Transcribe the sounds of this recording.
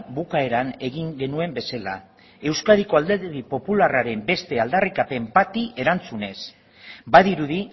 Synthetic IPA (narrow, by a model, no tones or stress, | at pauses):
bukae̞ɾane̞ɣiŋɡe̞nue̞mbe̞sala̰ | e̞wskaðiko̞ald̪e̞ɾðipo̞pularaɾe̞mbe̞st̪e̞ald̪arikape̞mpat̪iʔe̞ɾant͡sune̞s | baðiɾuði